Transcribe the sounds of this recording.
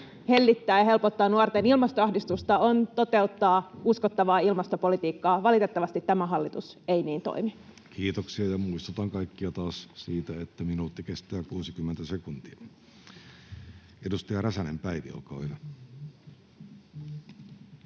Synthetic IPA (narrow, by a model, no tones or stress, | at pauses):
helːit̪ːæːjɑhe̞lpot̪ːɑːnuort̪enilmɑst̪oɑhdist̪ust̪ɑont̪o̞t̪e̞ut̪ːɑːuskot̪ːɑʋɑːilmɑst̪opolit̪iːkːɑːʋɑlit̪et̪ːɑʋɑst̪it̪tæmæɦɑlːit̪useiniːnt̪o̰imi | kʰiːt̪oksiɑjɑmuist̪ot̪ɑŋkɑikːiɑt̪ɑːssiːt̪æet̪ːæminuːt̪ːikest̪æːkuːsikymːent̪æsekunt̪iɑ | edust̪iɑræsænempæiʋḭo̰kɑ̰ijɑ